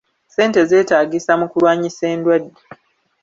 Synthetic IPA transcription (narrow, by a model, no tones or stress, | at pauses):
se̞ːnte̞ze̞ːtaːɡisamukulwaːɲiseːndwadːe